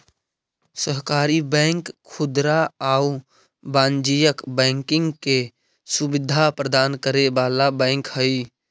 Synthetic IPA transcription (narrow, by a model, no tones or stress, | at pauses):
səɦkaːɾibɛ̃ːŋkʰːʊd̪ɾaau | bãːnd͡ʒijəkbɛ̃ːŋkɪ̃ŋɡke | sʊbɪd̪ʱapɾəd̪aːnkəɾebaːlabɛ̃ːŋkhəi